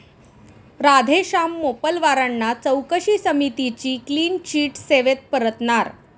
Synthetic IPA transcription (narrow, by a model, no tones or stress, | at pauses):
ɾad̪ʱeɕamːopəlʋaɾanːat͡səwkəɕiːsəmit̪it͡ɕiːkliːnt͡ɕiːʈseʋet̪̚pəɾət̪naɾ